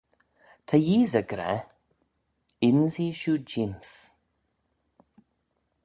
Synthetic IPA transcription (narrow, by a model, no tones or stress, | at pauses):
t̪ʰajiːzəɡɾɛ̰ | ɪnziʃuːd͡ʒims